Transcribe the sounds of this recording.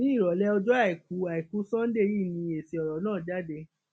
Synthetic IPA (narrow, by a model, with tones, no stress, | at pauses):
ĩ˦i˦˨ɾɔ˨˦lɛ˦ɔ˧d͡ʒɔ˦a˦˨i˨ku˨˦a˨i˨ku˨˦sɔ̃˦n̩˦de˦˨ji˦˨nĩ˧e˨se˨˧ɔ˨ɾɔ˨˦nãː˦˨da˦de˧